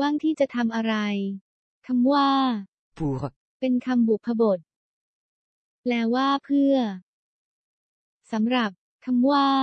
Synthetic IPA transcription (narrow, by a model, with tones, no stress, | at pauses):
waː˥˩ŋt̪ʰiː˥˩t͡ɕa˨˩t̪ʰa˧mʔa˧ɾa˧j | kʰa˧mwaː˥˩ | puː˨˩ | pe˧nkʰa˧mbu˨˩k̚pʰa˧bo˨˩t̪̚ | lɛː˦˥wwaː˥˩pʰɯ˥˩ɐ | sa˩˦mɾa˨˩p̚ | kʰa˧mwaː˥˩